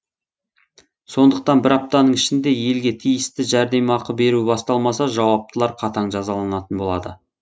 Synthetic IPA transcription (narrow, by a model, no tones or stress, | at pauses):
so̞nd̪əq̚t̪ɑnbɪɾɑp̚t̪ɑnəɴɪʃɪnd̪e̞je̞lɡʲe̞t̪ʰijɪst̪ɪʒæɾd̪e̞mɑqəbe̞ɾuɪbɑst̪ɑlˠmɑsɑʒɑwɑp̚t̪əlˠɑɾqʰɑt̪ɑɴʒɑzɑlˠɑnɑt̪ənbo̞lˠɑ̰d̪ə̰